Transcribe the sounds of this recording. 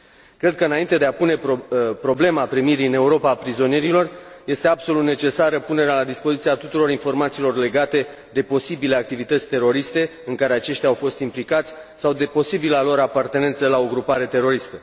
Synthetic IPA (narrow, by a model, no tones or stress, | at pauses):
kɾed̪̚kəɨnaint̪e̞d̪eapune̞pɾo̞ble̞mapɾimiɾiɨne̞uɾo̞paːpɾizo̞nije̞ɾilo̞rje̞st̪e̞abso̞lut̪ne̞t͡ʃe̞saɾəpune̞ɾealad̪ispo̞zit̪iat̪ut̪uɾo̞ɾinfo̞rmat̪silo̞rle̞ɡat̪e̞ | d̪e̞po̞sibile̞ak̚t̪ivit̪ət̪sʲt̪e̞ɾo̞ɾist̪e̞ɨŋkaɾeat͡ʃe̞ʃt̪ʲjawfo̞st̪implikat̪sʲsawd̪e̞po̞sibilalo̞ɾapart̪e̞ne̞nt̪səlao̞ɡɾupaɾe̞t̪e̞ɾo̞ɾist̪ə